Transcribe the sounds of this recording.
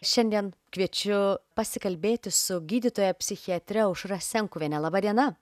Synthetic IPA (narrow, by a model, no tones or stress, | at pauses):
ʃʲɛnʲd̪ʲiɛnkʋʲiɛt͡ʃʲʊpɐsʲɪkɐlʲbʲeːt̪ʲɪsʊɡʲiːd̪ʲɪt̪oːjɛpʲsʲɪxʲiɐt̪ʲɾʲɛʊʃɾɐsʲɛŋkʊːʋʲɛnʲɛlˠɐbɐd̪ʲiɛnɐ